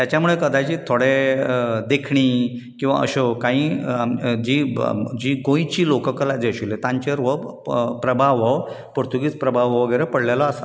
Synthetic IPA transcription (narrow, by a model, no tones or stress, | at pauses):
t̪jat͡ɕjamuɭekəd̪ad͡ʑiːt̪ʰoɽe | d̪ekʰɳiː | kĩw̃ʋa̰ə̰ɕokãɦĩ | d͡ʑiːd͡ʑiːɡõjt͡ɕiːlokəkəlad͡zeəɕilet̪ãɲt͡ɕeɾʋəpɾəbʱaʋəʋ | poɾt̪ʰuɡiːt͡spɾəbʱaʋəʋəɡəjɾepəɽljalɔasa